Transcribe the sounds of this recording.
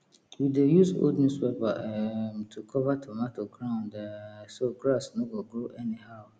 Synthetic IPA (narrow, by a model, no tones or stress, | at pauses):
widejuso̰dnũswɛbamtʰukʰɔvatʰɔmatʰoɡɾãʊ̃ndsoɡɾasnõɡɔ̃ɡoʔɛnĩhaʊ